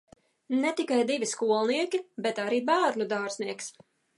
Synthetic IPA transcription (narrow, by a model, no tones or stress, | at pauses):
net̪ikajd̪ivʲiskuɔlˠniɛkʲibet̪aɾiːbæːɾnud̪aːɾzniɛks